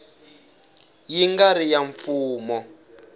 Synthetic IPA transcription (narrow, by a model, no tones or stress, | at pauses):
jiŋɡaɾijaɱfuːmɔ